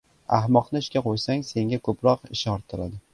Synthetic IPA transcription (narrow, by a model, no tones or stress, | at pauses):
ahmɒqnɪɪʃkʲaqʰojsaŋse̞ŋɡʲakʰɵpɾɒqɪʃɒɾt̪ʰːɪɾad̪ɪ